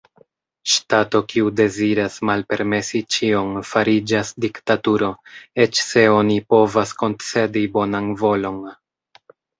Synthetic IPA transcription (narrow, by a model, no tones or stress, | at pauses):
ʃtato̞kiude̞ziɾasmalpe̞ɾme̞sit͡ʃio̞nfaɾid͡ʒasdiktatuɾo̞e̞t͡ʃse̞o̞nipo̞vasko̞nt͡se̞dibo̞nanvo̞lo̞n